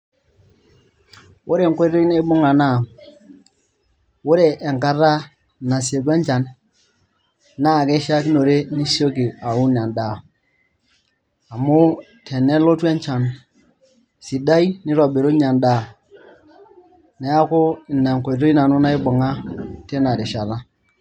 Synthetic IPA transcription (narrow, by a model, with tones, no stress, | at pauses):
ʊ˦ɾe˨ŋkʷo˦i˦to˦i˦na˦ɪ˦bʊ˦ŋa˨na˦˨ | wʊ˦ɾe˨ʔɛ˨ŋka˦ɾa˦ | na˨se˨k̬wɛ˦nt͡ʃa˨n | na˦˨ke˦ʃa˦ki˦no˨ɾe˦ni˦so˦ki˨a˨ʊ˦n˨a˨nda˨ | a˨mʊ˦ | tʰɛ˨nɛ˦lo˦twɛ˦ɲt͡ʃa˨n | si˨da˦jnɪ˦ɾɔ˨be˨ɾo˦ɲ˦a˨nda˦˨ | nɛ˨a˦kʊ˦ɪ˨na˨ŋ˨ko˨i˨to˦i˦na˨nʊ˦na˦ɪ˦bʊ˨ŋa˦te˦na˨ɾɪ˨ʃa˨la˦